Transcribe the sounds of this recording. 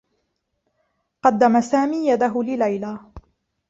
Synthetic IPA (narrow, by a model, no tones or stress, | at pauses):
qɑd̪ːamasaːmiːjad̪aɦʊlɪlajlaː